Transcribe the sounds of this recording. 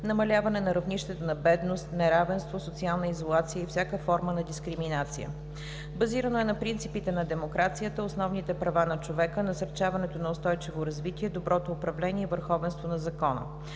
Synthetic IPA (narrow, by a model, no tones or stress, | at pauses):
nɐmɐlʲavɐnɛnɐɾɐvniʃt̪ɛt̪onɐbɛd̪nost̪nɛɾavɛnst̪vosot̪sialˠnəizolˠat̪sijəifsʲjakəfɔɾmənɐd̪iskɾiminat̪sḭə̰ | bɐziɾənoɛnɐpɾint̪sipit̪ɛnɐd̪ɛmokɾat̪sijət̪əosnɔvnit̪ɛpɾɐvanɐt͡ʃovɛkənɐsəɾt͡ʃavɐnɛt̪onɐʊst̪ɔjt͡ʃivoɾɐzvit̪iɛd̪obɾɔt̪oːpɾɐvlɛniɛivəɾxɔvɛnst̪vonɐzɐkɔnə̰